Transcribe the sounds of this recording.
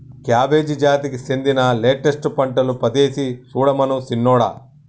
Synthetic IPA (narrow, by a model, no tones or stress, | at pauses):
kjaːbe̞ːd͡ʒid͡ʒaːt̪ikisend̪inɐleːʈesʈpɐɳʈɐlupɐd̪eːsisuːɽɐmɐnusinːɔːɽa̰ː